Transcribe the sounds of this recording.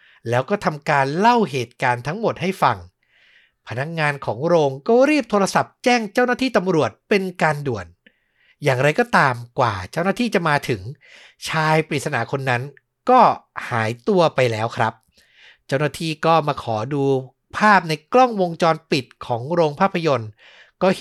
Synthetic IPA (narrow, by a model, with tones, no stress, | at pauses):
lɛː˦˥wkɔː˥˩t̪ʰa˧mkaː˧nla˥˩wɦeː˨˩t̪̚kaː˧nt̪ʰa˦˥ŋmo˨˩t̪̚ha˥˩jfa˨˩ŋ | pʰa˧na˦˥k̚ŋaː˧nkʰɔː˩˦ŋɾoː˧ŋkɔː˥˩ɾiː˥˩p̚t̪ʰoː˧ɾa˧sa˨˩p̚t͡ɕɛː˥˩ŋt͡ɕa˥˩wnaː˥˩t̪ʰiː˥˩t̪a˧mɾu˨˩ət̪̚pe˧nkaː˧ndu˨˩ən | jaː˨˩ŋɾa˧jkɔː˥˩t̪aː˧mkwaː˨˩t͡ɕa˥˩wnaː˥˩t̪ʰiː˥˩t͡ɕa˨˩maː˧t̪ʰɯ˩˦ŋ | t͡ɕʰaː˧jpi˨t̪̚sa˧na̰˩˦kʰo˧nːa˦˥n | kɔː˥˩ha̰ː˩˦jt̪u˧ɐpa˧jlɛː˦˥wkʰɾa˦˥p̚ | t͡ɕa˥˩wnaː˥t̪ʰiː˥˩kɔː˥˩maː˧kʰɔː˩˦duː˧ | pʰaː˥˩p̚na˧jkɾɔ˥˩ŋwo˧ŋt͡ɕɔː˧npi˨˩t̪̚kʰɔː˩˦ŋɾoː˧ŋpʰaː˥˩pʰːa˧jo˧n | kɔː˥˩